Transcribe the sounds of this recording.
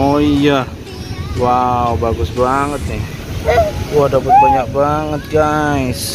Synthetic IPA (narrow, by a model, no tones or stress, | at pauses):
oija | waubaɡʊsbaŋət̪̚nɪ | wadapət̪̚baɲakbaŋət̪̚ɡais